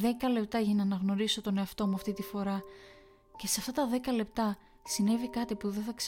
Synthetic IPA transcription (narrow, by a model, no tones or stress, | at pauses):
ðe̞kɐle̞p̚t̪ɐʝinɐɐnɐɣno̞ɾiso̞t̪o̞ne̞ɐft̪o̞muɐft̪it̪ifo̞ɾɐ | ce̞sɐft̪ɐt̪ɐðe̞kɐle̞p̚t̪ɐ | sine̞vikɐt̪ipuðeθɐks